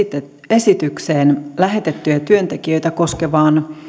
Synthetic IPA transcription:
e̞sit̪ykseːnlæɦet̪e̞t̪ːyæt̪yønt̪e̞kiø̞jt̪æko̞skeʋɑːn

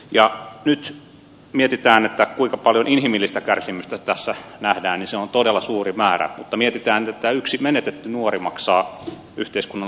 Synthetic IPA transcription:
jɑnyt̪ | miet̪it̪æːnet̪ːækuiŋkɑpɑljoninhimilːist̪ækærsimyst̪æt̪æsːænæhdæːnniseont̪odelːɑsuːrimæːɾæ̰mut̪ːɑmiet̪it̪æːnet̪et̪ːæyksimenet̪et̪ːynuorimɑksɑː | yht̪eiskunːɑ

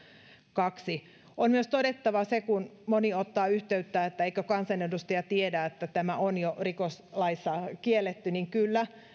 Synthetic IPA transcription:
kɑksi | onmyøst̪odet̪ːɑʋɑsekunmoniot̪ːɑːyht̪eyt̪ːæet̪ːæeikøkɑnsɑnedust̪ɑjɑt̪iedæet̪ːæt̪æmæonjorikoslɑisːɑkielːet̪ːyniŋkylːæ

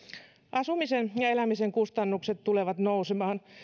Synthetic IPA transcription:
ʔɑsumisenjɑelæmiseŋkust̪ɑnːukset̪t̪uleʋɑt̪nousemɑːn

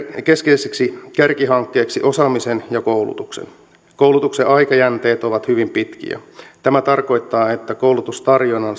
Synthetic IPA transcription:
keskeiseksikærkiɦɑŋkːeːksiʔo̞sɑmisenjɑkowlṵt̪uksḛn | kowlut̪ukseʔɑikɑjænt̪eːt̪oʋɑt̪hyʋimpit̪k̟ḭæ̰t̪æmæt̪ɑrko̞it̪ːɑːet̪ːækowlut̪ust̪ɑrjonːɑn

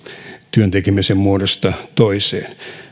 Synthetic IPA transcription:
t̪yønt̪ekimæsemmuodost̪ɑt̪oisḛːn

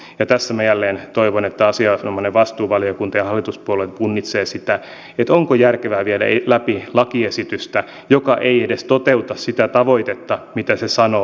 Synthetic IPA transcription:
jɑt̪æsːæmæjælːeːnt̪oiʋonet̪ːæɑsiɑnomːɑneʋɑst̪uːʋɑliokunt̪ɑjɑhɑlːit̪uspuolet̪punːit̪seːsit̪æ | et̪oŋkojærkeʋæːʋiedæ̰elæpilɑkiesit̪yst̪æ | jokɑʔeiedest̪ot̪eut̪ɑssit̪æt̪ɑʋoit̪et̪ːɑmit̪æsesɑno

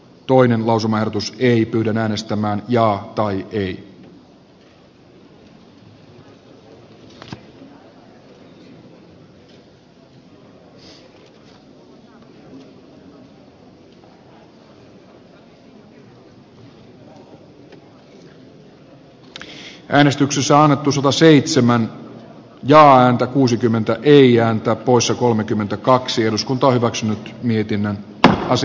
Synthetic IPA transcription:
t̪o̞ine̞nlɑwsumɑehɾo̞t̪usejpyːdænæːne̞st̪æmæːnjɑːt̪ɑjʔej | ʔæːnest̪yksesːæɑnːet̪ːusɑt̪ɑseit̪semæn | jɑːæːnt̪ækuːsikymːent̪æʔeiæːnt̪æːppo̞issɑko̞lmekymːent̪ækɑksieɾuskunt̪ɑohyʋæksynyt̪miet̪inːən | ɑs

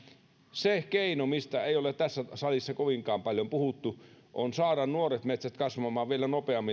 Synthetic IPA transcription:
sekeinomist̪æeˑijolett̪æsːæsɑlisːɑkoʋiŋkˑɑːmpɑljompuhut̪ːu | ʔonsɑːɾɑnnuoret̪met̪sæt̪kɑsʋɑmˑɑːʋʋielænopeɑmːi

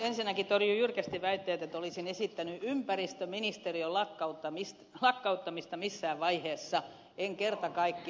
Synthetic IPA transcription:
ensinːækit̪orjujyrkæst̪iʋæit̪ːeːt̪et̪olisinesit̪ːænyʔympærist̪øminist̪eriolɑkːɑut̪ːɑmist̪lɑkːɑut̪ːɑmist̪ɑmisːæːʋʋɑiheːsːɑ | eŋkert̪ɑkɑikːi

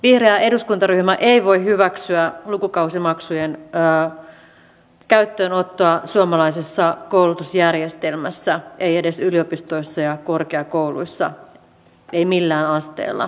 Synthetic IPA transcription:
ʋihreæe̞duskunt̪ɑɾyhmæʔeiʋo̞ihyʋæksyælukukɑusimɑksujenː | kæyt̪ːøːnot̪ːoɑsuɑmɑlɑisisːɑkoulut̪usjærje̞st̪e̞lmæsːæʔe̞je̞de̞syliopist̪o̞isːɑjɑko̞rkeɑkowlṵisːɑ̰ | eimilːæːnɑst̪ḛːlːɑ̰

